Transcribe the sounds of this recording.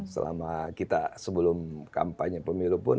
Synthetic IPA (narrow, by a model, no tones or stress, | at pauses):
sə̰la̰makit̪asəbəlʊmka̰mpaɲapəmiɾupʊn